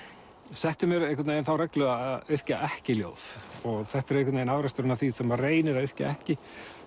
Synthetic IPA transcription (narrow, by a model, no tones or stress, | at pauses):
sɛht̪ʏmjɛɾejhkvat̪nejɪnθawɾɛklœɣaðʏr̥caʔɛhcɪljo̰ːwθɔɣθɛht̪ɛɾejhkʰvat̪naːjɪnavɾast̪ʏɾʏnaθisɛmareːjnɪɾaðʏr̥ca̰ɛhcɪ